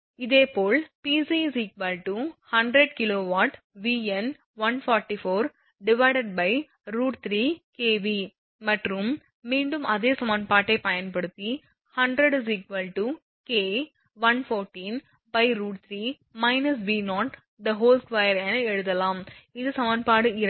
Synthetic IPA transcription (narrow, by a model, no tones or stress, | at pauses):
ɪðeːpoːlpiːsisiːkʋɐlʈuhɐɳɖɾɛɖkɪloːʋaːʈ | ʋiːɛn | ʋɐnfɔːɾʈifoːɾ | ɖɪʋɐɪɖɐɖ̚bɐɪ | ɾuːʈt̪ɾiːkeːʋi | mɐʈrɯmː | iːɳɖɯmʔɐðeːsɐmɐnpaːʈːɐɪpɐjɐnpɐɽɯt̪ːi | hɐɳɖɾɐɽs̬iːkʋɐlʈu | keː | ʋɐnfoːɾʈiːn | bɐɪɾuːʈt̪ʰɾiː | mɐɪnɐs̬biːnɔːʈ | d̪ɐɦoːlskʋɐjɐɾɛnɛɻɯðɐlaːmɪðɯsɐmɐnpaːɽɯɪɾɐ